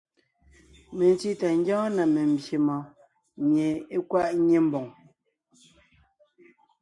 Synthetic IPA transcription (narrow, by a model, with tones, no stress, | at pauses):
me˨n˨ti˦ta˨ŋ̩˦ɡjɔ̃ː˦na˨me˨m̩˨bje˨mɔ˨ | mje˨e˦kwa˦˨ʔɲe˦m̩˦bɔ˨ŋ